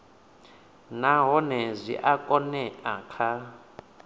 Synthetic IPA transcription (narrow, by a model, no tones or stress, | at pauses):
naɦɔnɛzʷḭʔakʼɔnɛakʰa